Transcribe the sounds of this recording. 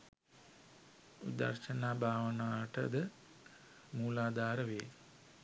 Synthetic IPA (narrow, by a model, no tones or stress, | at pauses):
ṵd̪ɐ̰rʃənaːbʱaːʋənaːʈəd̪ə | muːlaːd̪aːɾəʋeː